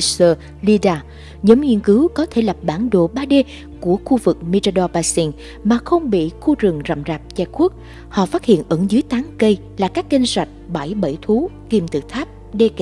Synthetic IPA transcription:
səː˧˩ | li˧ɗaː˧ | ɲə˨˦mɲḭ˧˨ənkɨ˨˦wkɔ˨˦t̪ʰe˧˩la˨˩p̚ɓaː˧˩nɗo̰˧˨ɓaː˧ɗe˧ | ku˧˩əxu˧vɨ˨˩k̚mi˧t͡ɕa˧ɗɔ˧ɓaː˧si˧n | maː˨˩xə˧wŋ͡mɓḭ˧˨xu˧zɨ˨˩ŋza̰˧˨wmzaː˨˩p̚t͡ɕɛ˧ku˦˥ək̚ | hɔ̰˧˨faː˦˥t̚hḭ˧˨ənʔɨ˧˩ŋzɨː˨˦əjt̪aː˨˦ŋkə˧j | laː˨˩kaː˦˥k̚ːï˧ŋ̟swa˨˩jk̚ɓa˧˩jɓə˧˩jt̪ʰu˨˦ki˨˩mt̪ɨ̰˧˨t̪ʰaː˦˥p̚ɗe˧kː

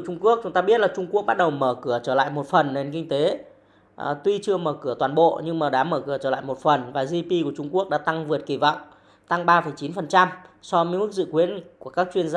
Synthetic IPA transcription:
t͡ɕʊ˧ŋ͡mku˦˥ək̚t͡ɕʊ˨˦ŋ͡mt̪aː˧ɓi˦˥ət̚laː˨˩t͡ɕʊ˧ŋ͡mku˦˥ək̚ɓa˦˥t̚ɗə˨˩wməː˧˩kɨ˧˩ət͡ɕəː˧˩la̰ː˧˨jmo˨˩t̚fə˨˩nːe˧nkï˧ŋ̟t̪e˨˦˨ | t̪wi˧t͡ɕɨ˧əməː˧˩kɨ˧˩ət̪waː˨˩nɓo̰˧˨ɲɨ˧ŋmaː˨˩ɗaː˨˦məː˧˩kɨ˧˩ət͡ɕəː˧˩la̰ː˧˨jmo˨˩t̚fə˨˩nvaː˨˩zi˧pi˧ku˧˩ət͡ɕʊ˧ŋ͡mku˦˥ək̚ɗa̰ː˧˥t̪a˧ŋvɨ˨˩ət̚ki˧˩vɔ̰˧˨wŋ͡m | t̪a˧ŋɓaː˧fə˨˩jt͡ɕi˨˦nfə˨˩nt͡ɕa˧msɔ˧m˧˦jm˦˥k̚zɨ̰˧˨kwi˨˦ənku˧˩əkaː˦˥k̚t͡ɕwi˧ənza˧

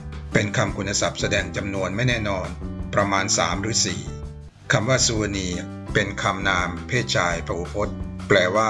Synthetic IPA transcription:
pe˧nkʰa˧mkʰu˧nːa˧sa˨˩p̚sa˧dɛː˧ŋt͡ɕa˧mnu˧ənma˥˩jnɛː˥˩nɔː˧npɾa˧maː˧nsaː˩˦mɾɯː˩˦sḭː˨˩ | kʰa˧mwaː˥˩su˧a˧niː˧ | pe˧nkʰa˧mnaː˧mpʰeː˥˩t̪̚t͡ɕʰaː˧jpʰɾa˧wu˧˦pʰo˦˥t̪̚plɛː˧˩waː˥˩

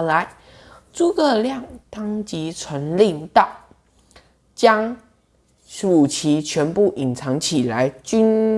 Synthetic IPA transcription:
la˧˦ɪ | t͡su˥˧kɤ˥˧ljɑ˥˨˩ŋt̪ɑ˥ŋt͡ɕi˧˥t͡sʰwə˧˥nli˥˩ŋt̪ɑ˥˩ʊ | t͡ɕjɑ˥ŋ | u˨˩t͡ɕʰi˧˥t͡ɕʰɥɛ˧˥npu˥˩ʔi˨˩nt͡sʰɑ˧˥ŋt͡ɕʰi˨˩la˧˦ɪt͡ɕy˥n

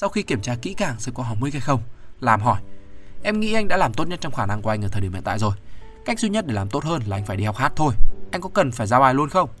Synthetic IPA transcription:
sa˧wxi˧ki˧˩əmt͡ɕaː˧kḭ˧˥kaː˧˩ŋsɨ̰˨˧˩kɔ˧ɦɔ˨˩w̚mɨ˧˦jka˧˩jxə˧wŋ͡mlaː˨˩mɦɔ˧˩jʔɛ˧mŋḭ˧˥ʔa˧jŋɗa̰ː˧˥laː˨˩mt̪o˦˥ɲə˦˥t̚t͡ɕɔ˧wŋ͡mxaː˧˩na˧ŋku˧˩ʔa˧jŋʔəː˧˩əː˨˩˨i˧˩mḭ˧˨nt̪ːzo˨˩jka˦˥k̟̚zwi˧ɲə˦˥ɗe˧˩laː˨˩mt̪o˦˥t̚həː˧nlaː˨ʔa˧ŋ̟faː˧˩jɗi˧˩ha˨˩wk͡p̚haː˦˥t̚t̪ʰo˧jʔa˧jŋ̟kʊ̰˧˥kə˨˩nfaː˧˩jzaː˧wʔaː˨˩jlu˧ənxə˧wŋ͡m

